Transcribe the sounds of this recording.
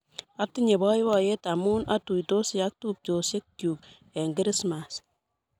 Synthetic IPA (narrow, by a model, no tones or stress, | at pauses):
atːɪɲebɔjwajetamunatuitosjak̚tup̚t͡ʃosekkjuk | ɛŋɡɪɾɪsmas